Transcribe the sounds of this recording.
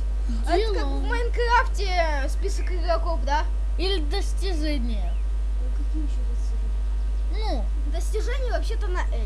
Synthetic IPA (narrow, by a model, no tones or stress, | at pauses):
dɛ | a | mɐɪnkɾaftʲɪ | spʲisəkɪɡɾɐkofd̪a | ilʲɪd̪əsʲtʲɪʐɛnʲɪjə | kɐkʲijɪɕːod̪ɐ | ɪʐɛ | nu | d̪əsʲtʲɪʐɛnʲɪjəvɐpɕːet̪ənɐʔɛ